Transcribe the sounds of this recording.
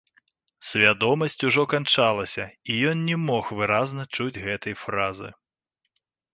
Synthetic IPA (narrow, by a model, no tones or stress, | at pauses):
sʲvʲad̪ɔmɐsʲt͡sʲuʐɔkant͡ʂalˠɐsʲɐijɔnnʲɛmɔxvɨɾaznɐt͡ʂud͡zʲɣɛt̪ɐjfɾazɨ̰